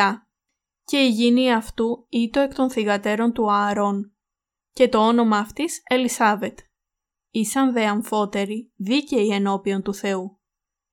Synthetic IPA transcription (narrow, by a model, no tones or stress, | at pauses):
ɐ | ce̞iʝiniɐft̪uit̪o̞e̞kt̪o̞nθiɣɐt̪e̞ɾo̞nt̪uɐɾo̞n | ce̞t̪o̞o̞no̞mɐːft̪ise̞lisɐve̞t̪ | isɐnðe̞ɐɱfo̞t̪e̞ɾiðiceieno̞pio̞nt̪uθe̞u